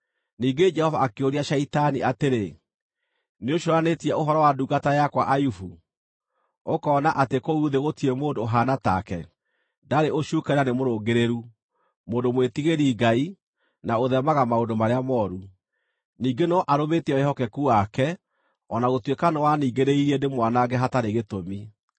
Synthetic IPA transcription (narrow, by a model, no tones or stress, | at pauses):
niːɡed͡ʒɛhɔvaakeoɾiaʃaitaniateɾe | neoʃoɾanetiɛoɦɔɾɔwaduːɡatajakwaʔajufu | okɔːnaʔatekouːðeɣotiemoːndoɦanata̰kɛ | daɾeʔoʃuːkaɾanemoɾoːɡeɾeɾu | moːndomwetiɣeɾiːɡai | naoðɛmaɣamaondomaɾeamɔːɾu | niːɡenɔʔaɾometɛɔeɦɔkɛkuakɛ | ɔnaɣotwekanɔwaniːɡeɾeiɾɛndemwanaɡɛɦataɾeɣetomi